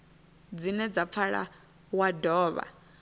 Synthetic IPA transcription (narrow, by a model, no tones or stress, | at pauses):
d͡zinɛd͡zap̪fʰaɺa̰ | wadɔːβa̰